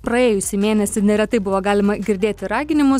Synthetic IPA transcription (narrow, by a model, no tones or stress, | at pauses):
pɾɐeːjʊsʲɪmʲeːnʲɛsʲɪnʲɛɾʲɛt̪ɐɪbʊʋoːɡɑːlʲɪmɐɡʲɪɾʲd̪ʲeːtt̪ʲɪɾɑːɡʲɪnʲɪmʊs